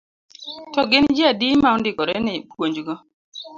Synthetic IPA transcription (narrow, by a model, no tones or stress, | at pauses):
tɔɡɪnd͡ʒiadimaɔndɪkɔɾɛnɛpʰwoɲd͡ʒɡɔ